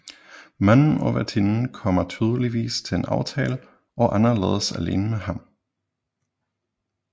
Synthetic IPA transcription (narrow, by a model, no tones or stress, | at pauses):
mænn̩ɒ̽ʋæt͡sʰinn̩kʰɒ̽mɐt͡sʰyːð̞ˠəliʋḭːst͡sʰe̝enɑ̈ʊt͡sʰɛ̰ːlə | ʔɒ̽ʔɑnɐlḛːð̞ˠəsæle̝̰ːnəmehɑ̈m